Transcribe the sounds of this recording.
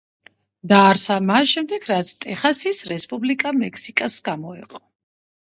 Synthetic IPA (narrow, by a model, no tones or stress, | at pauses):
d̪aːɾsamasʃɛmd̪ɛɡʰɾat̪sʰt̪ʼɛχasisɾɛspʼublikʼamɛkʰsikʼasɡamɔɛ̰qʼɔ